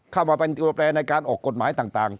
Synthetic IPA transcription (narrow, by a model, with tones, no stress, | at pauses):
kʰa˥˩wmaː˧pe˧nt̪i˧ɾo˧p̚ɾɛː˧nːa˧jkaː˧nʔɔː˨˩kːo˨˩t̪̚maː˩˨˦jt̪aː˨˩ŋt̪aː˨˩ŋ